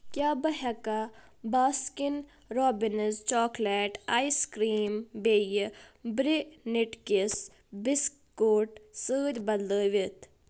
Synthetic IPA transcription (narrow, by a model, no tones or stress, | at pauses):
kjaːbɐɦɐka | baːskin | ɾoːbinɪzt͡ʃɔːkleːʈaːiskɾiːmbeːjibɾiniʈkis | bis | koːʈsəːd̪ʲbɐlləːʋit̪